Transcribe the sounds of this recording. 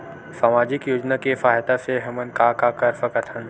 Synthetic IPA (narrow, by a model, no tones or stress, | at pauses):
saːmaːd͡ʒɪkjoːd͡ʒnakefaːɦt̪aseɦɐmənkakakɐɾfəkət̪ʰhən